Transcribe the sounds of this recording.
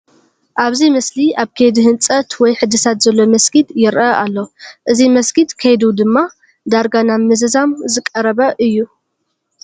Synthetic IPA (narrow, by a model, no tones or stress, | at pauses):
ʔaβzimɐsliʔaβkʰed̪ihɨnt͡sʼɐt̪wɔjħɨd̪ɨsat̪zɐlːo̞mɐsɡid̪jɪɾʔɐʔalːoʔɨzimɐsɡid̪kʰejd̪ud̪ɨmːa | d̪aɾɡanaːɨzɐzamzɨkʼɐɾɐβɐʔɨjːu